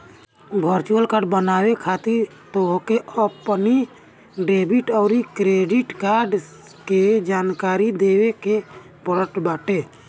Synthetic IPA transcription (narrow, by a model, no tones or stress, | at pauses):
bʱəɾt͡ʃuəlkaɾɖbənawekʰat̪iɾ | t̪oɦkeəpni | ɖebiʈɔːɾikɾeɖiʈkaɾɖ | ked͡ʒaːnkaɾid̪eweke | pəɾəʈbaːʈe